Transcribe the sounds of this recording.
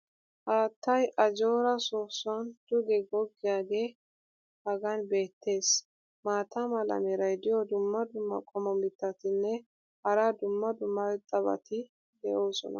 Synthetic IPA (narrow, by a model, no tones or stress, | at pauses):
haːt̪ʰːɐjʔɐd͡ʒoːɾɐsoːsʊɐnd̪̥ʊɡɛɡɔɡːɪjaːɡe̞ː | hɐɡɐnbe̞ːt̪ːe̞ːs | maːt̪ʰamɐlɐ̰meɾɐjd̪ɪjɔd̪ʊmːɐd̪ʊmːɐ̰kʼɔmɔmɪt̪ːɐt̪ɪnːɛ | hɐɾad̪ʊmːɐd̪ʊmːɐwɛt̪ʼːɐbɐ̰t̪ɪ | d̪ɛʔoːsɔ̰nɐ̰